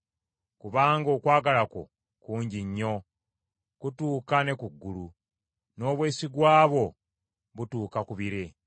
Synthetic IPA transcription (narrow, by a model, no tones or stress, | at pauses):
kuβaːŋɡo̞ːkwaːɡalako̞̰ | kuːɲɟiɲːo̞ | kutuːkane̞kuɡːulu | no̞ːβwe̞ːsiɡwaːβo̞ | βutuːkakuβiɾe̞